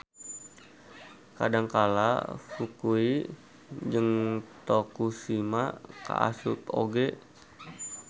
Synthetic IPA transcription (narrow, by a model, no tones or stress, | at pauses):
kadaŋkala̰fukui | d͡ʒəŋt̪okusimaka̰ʔa̰sup̪o̰ɡɛ